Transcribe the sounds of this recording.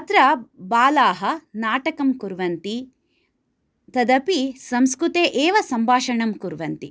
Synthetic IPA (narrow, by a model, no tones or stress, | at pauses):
ɐt̪ɾɐbaːlaːɦɐnaːʈɐkɐmkuɾʋɐnt̪i | t̪ɐd̪ɐpisɐmskɾut̪eːʔeːʋɐsɐmbʱaːʃɐɳɐmkuɾʋɐnt̪i